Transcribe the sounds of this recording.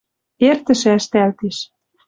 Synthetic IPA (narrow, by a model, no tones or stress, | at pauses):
ert̪ə̆ʃĕæʃt̪ælt̪eʃ